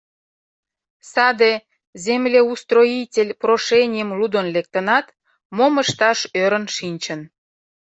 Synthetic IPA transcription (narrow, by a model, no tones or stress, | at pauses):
sɑd̪e | zemlʲeust̪roitʲelʲproʃenʲijəmlud̪onlek̚t̪ənɑt̪ | moməʃt̪ɑʃøɾə̆nʃinʲt͡ɕən